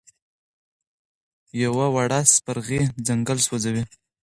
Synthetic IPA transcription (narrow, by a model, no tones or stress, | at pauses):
jawawaɽaspaɾɣid͡zaŋɡəlswad͡zawi